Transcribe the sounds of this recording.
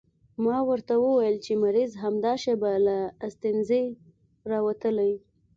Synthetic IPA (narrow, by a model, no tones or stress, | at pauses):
mɑwəɾt̪awəwajəlt͡ʃemaɾizɦamd̪ɑʃebalaːst̪ɪnze | ɾɑwat̪əlaji